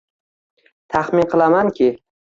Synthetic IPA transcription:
t̪ʰaχmɪnqʰɨlˠamankʲʰɪ

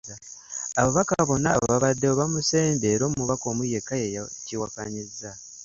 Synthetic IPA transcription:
aβaβakaβo̞na̰βo̰βaβadːeoβamuse̞ːnde̞ːɾoːmmuβako̞ːmuje̞kːajejciwakaɲiza

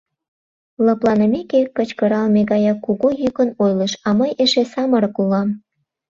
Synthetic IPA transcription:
ləplɑnəmekekːət͡ɕkəɾɑlmeɣɑjɑkːuɣojøkənojləʃɑməjeʃesɑməɾɤ̆kulɑm

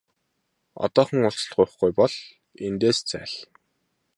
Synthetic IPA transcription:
ɔ̰t̪ɔːχə̆ŋʊɬt͡ɕ̆ɮɢʊjχɡujpɔɮ | ent̪eːst͡sæ̰ːɮ

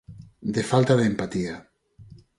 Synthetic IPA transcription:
d̪efalt̪aðempat̪ia

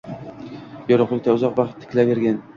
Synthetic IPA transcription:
bɒɾʊqlˠɪkʲt̪aʊzɒqbɑχt̪ʰːɪ̥kʲlaveɾɡʲan

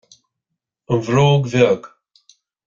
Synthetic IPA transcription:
ənvɾoːɡvɛɡ

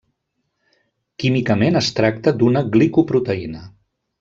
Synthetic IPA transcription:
kimikəmenəst̪ɾak̚t̪əd̪unəɣlikupɾut̪əinə

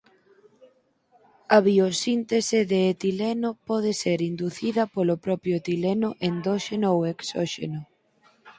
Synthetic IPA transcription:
ɐβiosint̪esɪðeːt̪ilenopɔð̞ɪseɾind̪uθiðɐpolopɾɔpjʊet̪ilenʊʔend̪ɔʃenooweksɔ̰ʃḛnʊ

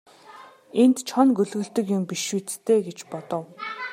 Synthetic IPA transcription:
ent̪t͡ɕʰɔnɡɵɮɣɵ̆ɮt̪ɵ̆kjʊmpiʃuːt͡st̪ʰeːɡet͡ɕpɔt̪ɞ̆w

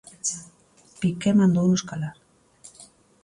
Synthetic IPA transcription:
pikemand̪ounoskalaɾ

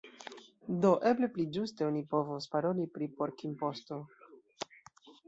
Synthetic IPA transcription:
do̞ʔe̞ble̞plid͡ʒuste̞onipo̞vospaɾo̞lipɾipo̞ɾkimpo̞sto̞

